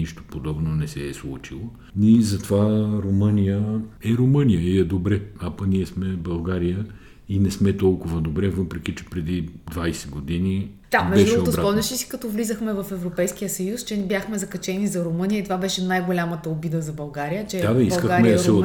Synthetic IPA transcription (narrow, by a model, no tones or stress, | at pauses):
niʃt̪o̥pod̪ɔbnonɛsɛːslˠut͡ʃilˠo | izɐt̪ovaɾomənijəɛɾomɤnijəiɛd̪obɾɛapɐəniɛsmɛbɐlˠɡaɾijə | inɛsmɛt̪ɔlˠkʊvɐd̪obɾɛvɤpɾɛk̟it͡ʃɛ̥pɾɛd̪id̪vajsɛɡod̪ini | d̪̥apɾɛɛd̪ʃɾɛot̪oɾapɔmnʲɛʃisi̥kɐt̪ɔvlizəxmɛvɐfɛvɾopɛjskijəsɐjust͡ʃɛbjaxmɛzɐkɐt͡ʃɛnizɐɾomɤnijəit̪ovabɛʃɛnajɡolʲamət̪əobid̪əzɐbɐlˠɡaɾijət͡ʃɛd̪ad̪ɐibɐsˠkəɡaɾmɾmɛsɛo